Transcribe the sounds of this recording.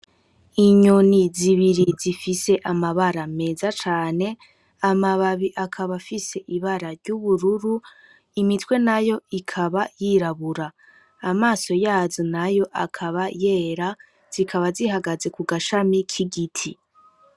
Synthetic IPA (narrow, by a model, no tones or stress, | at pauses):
iɲuniziβiɾizifise̞ʔamaβaɾame̞ːzat͡ʃaːne̞ | amaβaβiʔakʰaβafise̞ʔiβaɾaɾɟuβuɾuɾu | imitwe̞najo̞ikʰaβajiɾaβuɾaː | maːso̞jaːzonajo̞ʔakʰaβaje̞ːɾa | z̥ikʰaβaziɦaɡaze̞kuɡaʃamikʰiɡitʰi